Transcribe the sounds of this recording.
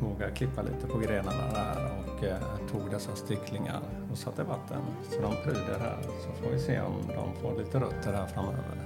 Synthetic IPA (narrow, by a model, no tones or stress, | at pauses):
voːɡaɾkʰlɪpːalʔḭːt̪əpʰɔɡɾeːnaɳa̰æɔkt̪ʰuːɡd̪ɛsːast̪ɪkʰlɪŋa̰ɾ | ɔsat̪ːəvat̪ʰːə̰nsɔd̪ɔmpʰɾyːd̪əɾɦæ̰ːɾsɔfoːɾvɪseːɔ̰md̪ɔ̰mfoːɾliːt̪əɾɵt̪ʰːəɾhæːɾfɾamːøːvə̰ɾ